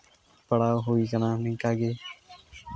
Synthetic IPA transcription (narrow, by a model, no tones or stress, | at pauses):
pəɽaːɦoːiːkənãːnĩːkaːɡeː